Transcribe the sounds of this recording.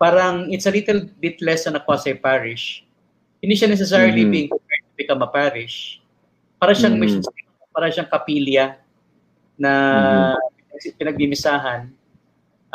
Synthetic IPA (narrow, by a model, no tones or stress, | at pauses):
paːɾɐŋɪsɐliːt̪ɛlbit̪lɛsɐnɐkwaːsɐjpaːɾɪʃ | hɪnd̪iːʃanɛs̬ɛs̬aɹɪlibiŋkpɛt̪ɪpɪkɐmɐpaːɾɪʃ | paːɾɐʃaŋmɛʃsiɐ | paːɾɐʃɐŋkɐpiljɐ | nɐ | pɪnɐɡ̚mɪmɪsaːɦɐn